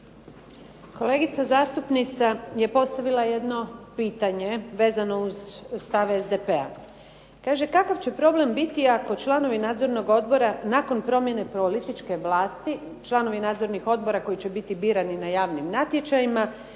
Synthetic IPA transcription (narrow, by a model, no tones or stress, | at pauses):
ko̞le̞ːɡit̪sazaːst̪upnit̪saje̞po̞st̪aʋilˠaje̞d̪no̞piːt̪aɲe̞ʋe̞ːzano̞uzst̪aʋezd̪epe̞a̰ | kaːʒe̞kakaʋt͡ɕepɾo̞ble̞mbit̪iako̞t͡ʃlˠano̞ʋinaːd̪zo̞ɾno̞ɡo̞d̪bo̞ɾanako̞npɾo̞mje̞ne̞polit̪it͡ʃke̞ʋlˠaːst̪i | t͡ʃlˠano̞ʋinaːd̪zo̞ɾnixo̞d̪̚bo̞ɾako̞jit͡ɕe̞bit̪ibiːɾaninajaːʋnimnat̪je̞t͡ɕajima